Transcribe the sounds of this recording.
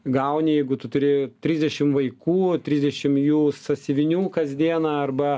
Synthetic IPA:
ɡɐʊnʲɪjɛɪɡʊt̪ʊt̪ʊɾʲɪt̪ʲɾʲɪzʲd̪ʲɛʃʲɪmʋɐɪkuːt̪ʲɾʲɪzʲd̪ʲɛʃʲɪmjuːsɐsʲɪʋʲɪnʲuːkɐzd̪ʲiɛnɐɐrbɐ

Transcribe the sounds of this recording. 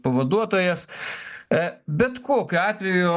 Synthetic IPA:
pɐʋɐd̪uɔt̪oːjɛs | bʲɛt̪koːkʲʊɑːt̪ʲʋʲɛjʊʊ

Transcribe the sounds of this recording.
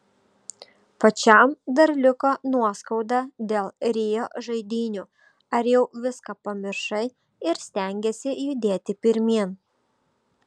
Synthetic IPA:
pɐt͡ʃʲɛˑmd̪ɐɾlʲɪkoːnuɔskɐʊd̪ɑd̪ʲeːlˠɾʲeːjoʒɐɪd̪ʲiːnʲuː | ɐɾjɛʊʋʲɪskɐpɐmʲɪɾʃɐɪ | ɪɾsʲt̪ʲæˑŋʲɡʲesʲɪjʊd̪ʲeːt̪ʲɪpʲɪɾʲmʲiɛn

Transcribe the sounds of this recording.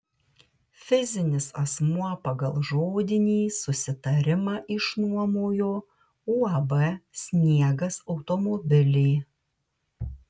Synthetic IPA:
fʲɪzʲɪnʲɪsɐsmuɔpɐɡɐlˠʒoːd̪ʲɪnʲiːsʊsʲɪt̪ɐɾʲɪmɑːʔɪʃnuɔmoːjoː | uːɐbɛsʲnʲiɛɡɐsɒʊt̪ɔmoːbʲɪlʲeː

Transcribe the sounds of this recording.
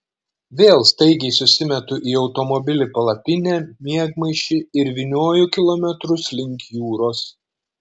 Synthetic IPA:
ʋʲeːlˠst̪ɐɪɡʲɛɪsʊsʲɪmʲɛt̪ʊʔiːɒʊt̪ɔmɔbʲɪlʲɪpɐlˠɐt̪ʲɪnʲæːmʲiɛɡmɐɪʃʲɪɪɾʋʲɪnʲoːjʊkʲɪlˠɔmʲɛt̪ɾʊslʲɪŋʲkʲjuːɾoːs

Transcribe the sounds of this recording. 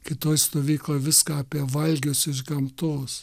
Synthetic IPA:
kʲɪt̪oːjst̪oːʋʲiːklˠoːjʋʲɪskɑːpʲiɛʋɐlʲɡʲʊsɪʒɡɐmt̪oːs

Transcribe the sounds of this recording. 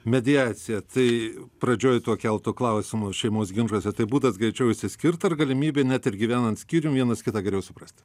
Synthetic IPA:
mʲɛd̪ʲɪɑːt̪sʲɪjɛt̪ɐɪpɾɐd͡ʒʲoːjt̪uɔkʲɛlˠt̪ʊklˠɐʊsʲɪmʊʃʲɛɪmoːsɡʲɪnʒuɔsʲɛt̪ɐɪbuːd̪ɐsɡɾʲɛɪt͡ʃʲɛʊɪʃʲsʲɪsʲkʲɪrt̪ɐrɡɐlʲɪmʲiːbʲeːnʲæt̪ɪrɡʲiʋʲæːnɐnt̪sʲkʲiːɾʲɪmʋʲiɛnɐskʲɪt̪ɑːɡɐlʲejʊsʊpɾɐsʲt̪ʲ

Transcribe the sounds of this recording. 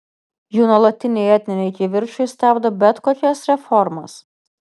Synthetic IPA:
juːnuɔlˠɐt̪ʲːɪnʲɛɪɛt̪ʲnʲɪnʲɛɪkʲɪʋʲɪɾʃʊɪsʲt̪ʲæˑbd̪obʲɛt̪koːkʲɛsɾʲɛfɔɾmɐ̰s

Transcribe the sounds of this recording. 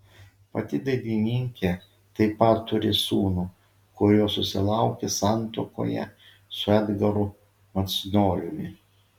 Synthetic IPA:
pɐt̪ʲɪd̪ɐɪd̪ʲinʲɪŋʲkʲe | t̪ɐɪpɐt̪ːʊɾʲɪsuːnu | kʊɾʲoːsʊsʲɪlˠɑʊkʲesɑˑnt̪o̰ːko̰ːjɛ̰ | sʊɛd̪ɡɐɾʊ | mɐt̪snoːlʲʊmʲɪ

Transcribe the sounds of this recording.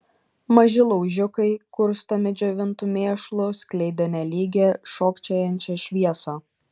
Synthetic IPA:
mɐʒʲɪlˠɔʊʒʲʊkɐɪkʊɾst̪omʲɪd͡ʒʲoːʋʲɪnt̪uːmʲeːʃlˠʊsʲklʲɛɪd̪ʲɐnʲɛlʲiːɡʲɛʃoːkt͡ʃʲɛːjɛnʲt͡ʃʲɛʃʲʋʲiɛsoː

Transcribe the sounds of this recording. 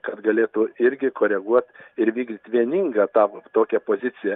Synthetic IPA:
kɐt̪ɡɐlʲeːt̪ʊɪɾʲɡʲɪkoːɾʲɛɡuɔt̪ɪɾʋʲiːɡd̪ʲɪt̪ʲʋʲiɛnʲiːŋɡɐːt̪ɑːt̪oːkʲɛpoːzʲɪt̪sʲɪjɛ

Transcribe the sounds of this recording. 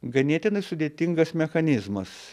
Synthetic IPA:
ɡɐnʲiɛt̪ʲɪnɐɪsʊd̪ʲeːt̪ʲɪŋɡɐsmʲɛxɐnʲɪzmɐs

